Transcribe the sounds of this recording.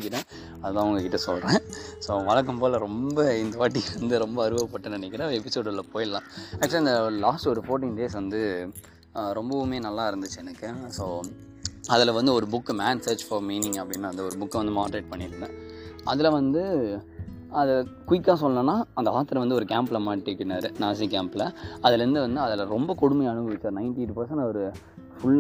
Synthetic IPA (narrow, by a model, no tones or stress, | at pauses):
ɪk̬ːɪɾẽː | ɐðɐt̪ãːʊŋɡɐkɪʈːɐsɔlɾẽːsoːʋɐɭɐk̬ːɐmpoːlɐɾɔmbɐɪnd̪ɐʋaːʈːiɾɐnd̪ɯɾɔmbɐːɾɯbɐɐpːɐʈːɯnɪnɛkːɪɾɐ̃ɛpɪsoːɽlɐpoːjɪlːãːaːkːt͡ʃːliɐnd̪ɐlaːsʈɔɾɯfoːɾʈ̬ːinɖeːsʋɐnd̪ɯ | ɾɔmbɐʊmeːnɐlːaːɪɾɯnd̪ɯt͡ʃːɯɛnɐkːɯsoː | ɐðɪlɐʋɐnd̪ɯɔɾɯbʊkːmaːnseːd͡ʒfɐɾmiːnɪŋɡɐpːɐɽɪnːaːɐnd̪ɐɔɾɯbʊkːɐʋɐnd̪ɯmaːɽɐɾeːʈ̚pɐɳːɪɾɯnãɐ̰ðɪlɐʋɐnd̪ɯ | ɐðɐkʊʋɪkːãːsɔlːɐnɐ̃nːaːɐnd̪ɐʋaːt̪ɐɾɐ̃ʋɐnd̪ɯɔɾɯkaːmplɐmaːʈːikːnaːɾɯnaːs̬ik̬aːmplɐɐðɪlɐɾɯnd̪ɯʋɐnd̪ɯɐðɐlɐɾɔmbɐkɔɽʊmɐjɐɳɯɡɯʋɪt͡ʃːaːɾnɐɪnʈiʈːupɐɾsɐ̃ɳɐɔɐɾɯ | fʊɭː